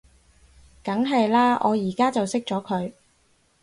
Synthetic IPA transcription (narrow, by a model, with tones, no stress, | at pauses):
kɐ˨˥ŋɦɐ˨jlaː˥ʔɔ̰ː˨˧jiː˨˩kaː˥t͡sɐ˨wsɪ˥k̚t͡sɔː˨˥kʰɵ˨˧ɥ